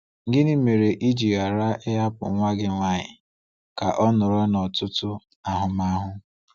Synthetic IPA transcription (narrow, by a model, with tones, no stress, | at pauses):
ŋ̩˦ɡɪ˦ni˦me˨ɾe˨ʔi˦d͡ʒi˨a˨ɾa˦ʔɪ˦a˦pʊ̰˨ŋʷa˦ɡɪ˦ŋʷa˦ɲɪ˨ | ka˨ʔɔ˦nʊ˨ɾɔ˦nɔ˨tʊ˦tʊ˦ | a˨ɦʊ˨ma˦ɦʊ˦